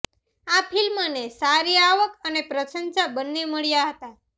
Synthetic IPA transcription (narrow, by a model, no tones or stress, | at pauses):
apʰilmənesaɾiaʋəkənepɾəsənsabənːeməɭijaɦət̪a